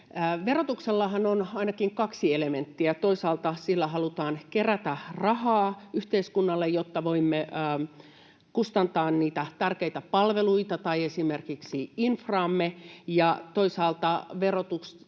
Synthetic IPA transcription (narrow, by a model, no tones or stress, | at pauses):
ʋerot̪ukselːɑhɑnonɑinɑkiŋkɑksielement̪ːiæt̪oisɑːlt̪ɑsilːæhɑlut̪ɑːnkeræt̪ærɑhɑːyht̪eiskunːɑlːejot̪ːɑʋoimːeə | kust̪ɑnt̪ɑːnniːt̪æt̪ærkeit̪æpɑlʋeluit̪ɑt̪ɑiesimerkiksiinfrɑːmːejɑt̪oisɑːlt̪ɑʋerot̪uks